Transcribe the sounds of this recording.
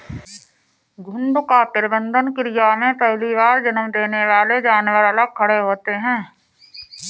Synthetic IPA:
ɡʱʊ̃ɳɖʊkaːpɪɾbə̃nd̪ənkɾijamẽpɛɦliʋaːɾd͡ʒənəmd̪eːneʋaːled͡ʒaːnwəɾɐləɡ̚kʰɐɽeɦoːt̪eɦɛ̃ː

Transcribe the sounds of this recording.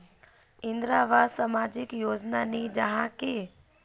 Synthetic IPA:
ɪ̃nd̪ɾaʋasəmad͡ʒɪkjoːd͡ʒnanid͡ʒəɦãke

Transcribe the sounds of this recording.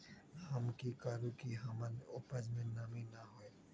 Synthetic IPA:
ɦɐmkikaːɾukiɦɐmənoːpəd͡ʒmẽnamĩnaɦoːe

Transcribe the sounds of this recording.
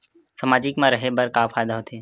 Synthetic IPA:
səmaːd͡ʒɪkmãɾəɦebəɾkafaːjd̪aɦoːt̪ʰeː

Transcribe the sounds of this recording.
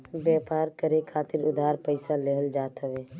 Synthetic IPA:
bjɛːpaːɾkəɾekʰaːt̪ɪɾʊd̪ʱaːɾpəɪsaleɦəld͡ʒaːt̪əʋeː

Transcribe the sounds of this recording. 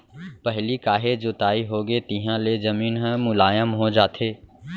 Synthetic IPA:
pɐɦlikaːɦed͡ʒot̪aːiɦoːɡet̪ɪɦãlezɐmiːnɦmʊlaːjəmɦod͡ʒaːt̪ʰeː

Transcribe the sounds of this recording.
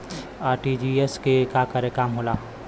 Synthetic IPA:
aːɾʈid͡ʒieskekaːkəɾekaːmɦoːlaː

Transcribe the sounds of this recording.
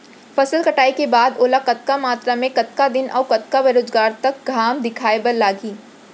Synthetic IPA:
fɐsəlkɐʈaːikebaːd̪oːlakɐt̪̚kamaːt̪ɾamẽkɐt̪kad̪ɪnɔ̰ːkɐt̪kaʋeɾoːd͡ʒɡaːɾt̪ɐk̚ɡʱaːmd̪ɪkʰaːebɐɾlaːɡiː

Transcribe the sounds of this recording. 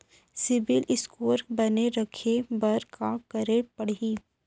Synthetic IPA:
sɪbɪlʔɪskoːɾbɐneɾɐkʰebɐɾkakɐɾepɐɽiː

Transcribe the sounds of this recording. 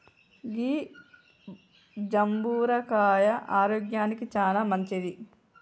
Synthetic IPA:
ɡiː | d͡ʒɐmbuːɾɐkaːjɐʔaːɾoːɡjaːnikit͡ʃaːlaːmɐɲt͡ʃid̪i

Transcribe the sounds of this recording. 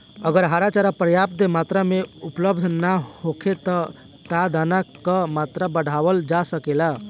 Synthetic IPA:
əɡəɾɦaɾat͡ʃaɾapɾəjapd̪emat̪ɾameupləbd̪ʱnahokʰet̪ɔ | kad̪anakəmat̪ɾabəɽ̤ʱaʋəld͡ʒasəkela

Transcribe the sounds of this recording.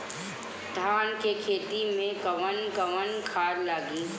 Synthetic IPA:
d̪ʱaːnkekʰeːt̪imẽkɐʋənkɐʋənkʰaːɾlaːɡiː

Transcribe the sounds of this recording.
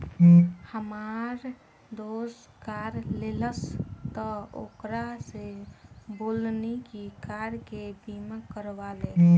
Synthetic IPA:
həmaɾ | d̪os | kaɾleləst̪ɔo̰kɾasebolnikikaɾkebiməkəɾʋale

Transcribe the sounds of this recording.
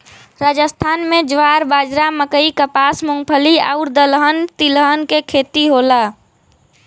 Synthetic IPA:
ɾad͡ʒəst̪ʰaːnmed͡ʒʋaɾbaːd͡ʒɾaməkəikəpaːsmoŋɡpʰəlia̰ʊɾd̪əlɦənt̪iləɦənkekʰet̪iɦola

